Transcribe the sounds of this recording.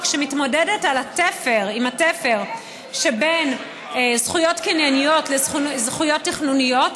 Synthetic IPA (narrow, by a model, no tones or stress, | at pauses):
kʃemitmo̞dedetalatefeʁimatefe̞ʁ | ʃeben | zχujo̞tkinjanijo̞tlezuzχujo̞tːiχnunijo̞t